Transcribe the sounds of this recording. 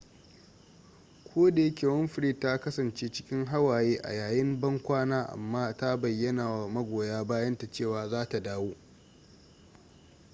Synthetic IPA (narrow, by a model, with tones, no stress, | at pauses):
kʷʰoː˦da˨je˦kʲe˨wɔ˦mɸɪ˨ɾi˦˨tːa˦kɐ˦sɐ˨nt͡ʃeː˦t͡ʃɪ̥˦kʲɪ˦ŋɦa˦waː˨jeː˦ʔa̰˨jaː˨jɪ˦mbɐ˦ŋkʷaː˦naː˦ʔa̰˨mːaː˦ta˦bɐ˨jːɐ˦naː˨wa˨mɐ˦ɡʷoː˨jaː˦baː˦jɐ˦nta˨t͡ʃeː˦˨waː˨zaː˦ta˨daː˦woː˦